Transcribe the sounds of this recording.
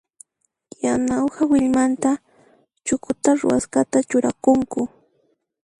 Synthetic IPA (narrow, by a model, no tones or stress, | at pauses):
janawhawɪʎmant̪a | t͡ʃʊkʊt̪aɾʊ̰wa̰skat̪at͡ʃʊɾakʊŋkʊ